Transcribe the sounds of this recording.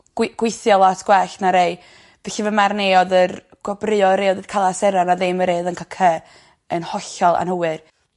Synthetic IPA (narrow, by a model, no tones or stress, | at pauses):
ɡ̥wɡ̥wɪθjɔlˠatʰɡ̥wɛɬnaɾeɨ | v̥ɛɬivəmarneɔðər | ɡ̥ɔbrɨːɔɾeɔðərkʰalˠasɛɾanaðɨməɾeːðənkʰakʰə | ənhɔɬɔlˠa̰nhəwɨr